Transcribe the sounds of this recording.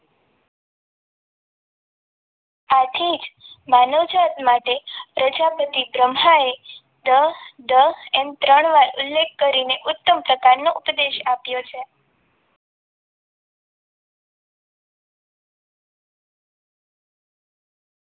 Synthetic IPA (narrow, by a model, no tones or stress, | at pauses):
at̪ʰid͡ʒmanod͡ʒat̪maʈepɾəd͡ʒapət̪ibɾəmɦae | d̪əd̪əɛmt̪ɾəɳ̃ʋaɾʊ̰lːekkəɾineʔʊt̪ːəmpɾəkaɾnoʔupd̪eʃapjot͡ʃʰe